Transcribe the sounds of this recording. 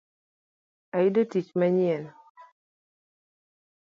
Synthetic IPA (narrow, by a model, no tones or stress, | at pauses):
ajidotit͡ʃmaɲjɛl